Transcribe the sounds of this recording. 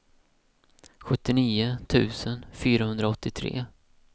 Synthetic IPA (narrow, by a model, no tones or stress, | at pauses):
ɧɵt̪ːɪniːʊt̪ʰʉ̟ːsənfyːɾahɵnd̪ɾaɔt̪ːɪt̪ʰɾḛː